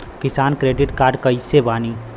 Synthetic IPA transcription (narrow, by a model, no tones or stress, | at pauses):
kɪsaːnkɾeːɖɪʈkaːɾɖkəɪsebaːni